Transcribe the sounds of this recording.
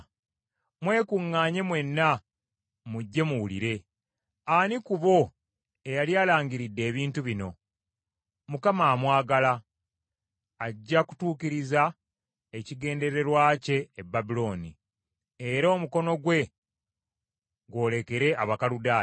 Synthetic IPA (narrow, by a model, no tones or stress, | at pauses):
mwe̞ːkuŋːaːɲe̞mwe̞nːa | muɟːe̞muwulḭɾe̞ | anikuβo̞ | e̞jaljaːlaːɲɡiɾidːe̞ːβiːntuβino̞ | mukamaːmwaːɡala | ɟːaku̥tuːkiɾiza | eciɡe̞ːnde̞ɾe̞ɾwaːce̞ːbːabilo̞ːnḭ | eɾoːmuko̞no̞ɡwe̞ | ɡwo̞ːle̞ke̞ɾe̞ʔaβakaludaː